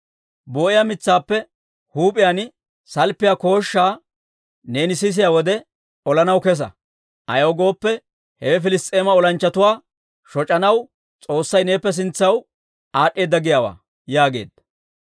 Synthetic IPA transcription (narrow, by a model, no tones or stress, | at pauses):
boːʔɪjamɪt͡sːaːpːɛ | huːpʼɪjan | sɐlpːɪjaːko̞ːʃːaː | ne̞ːnɪsɪs̬ɪjaːwɔd̪ɛ | ɔlɐnɐwkɛs̬ɐ̰ | ʔɐ̰jɐwɡo̞ːpːɛ | hɛɛfɪlɪst̪ʼeːmɐɔlɐnt͡ʃːɐt̪ʊwaː | ʃɔt͡ʃʼːɐnɐw | t͡sʼo̞ːsːɐjne̞ːpːɛs̬ɪnt͡sːɐw | aːɗʼːe̞ːd̪ːɐɡɪjaːwa̰ː | jaːɡe̞̰ːd̪̥ɐ